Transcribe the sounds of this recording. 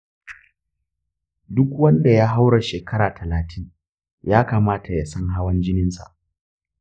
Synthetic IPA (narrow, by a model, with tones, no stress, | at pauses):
dʊ˦kwɐ˦nda˨jaː˦ɦa˦wɽa˨ʃeː˨kʰɐ˦ɾaː˨tʰɐ˨laː˨tʰɪ˦ŋ | jaː˦kaː˨maː˦tʰa˨ja˨sɐ˦ŋɦa˦wɐ˦nd͡ʒɪ˦nɪ˦nsa̰˨ʔ